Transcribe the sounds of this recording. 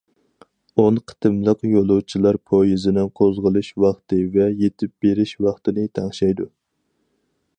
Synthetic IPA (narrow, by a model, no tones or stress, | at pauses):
onqʰə̥t̪ʰɨmlˠəqjolˠuwt͡ʃʰilˠɑɾpʰojizɪnɪŋqʰozʁəlˠɨʃwɑχt̪ɨvɛjet̪ʰɪp̚b̥eɾɪʃwɑχt̪ɨnɨt̪ʰɛŋʃɛjd̪u